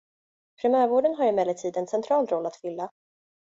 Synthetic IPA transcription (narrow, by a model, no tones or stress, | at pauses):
pʰɾɛmœːɾvoːɖənɦaɾɪmɛlːət̪ʰiːd̪ɛnsɛnt̪ʰɾɑːlɾɔlːat̪fʏlːa